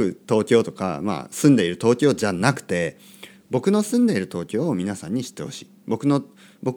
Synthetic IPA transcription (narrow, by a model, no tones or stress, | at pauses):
ɯ̟t̪o̞ːkʲo̞ːt̪o̞ka̰ma̰sɨ̃nd̪e̞iɾɯ̟t̪o̞ːkʲo̞ːd͡ʑanakɯ̟̥t̪e̞ | bo̞kɯ̟no̞sɨ̃nd̪e̞iɾɯ̟t̪o̞ːkʲo̞ːmʲinasãɲ̟ːiɕi̥t̪ːe̞ho̞ɕi̥ːbo̞kɯ̟no̞ | bo̞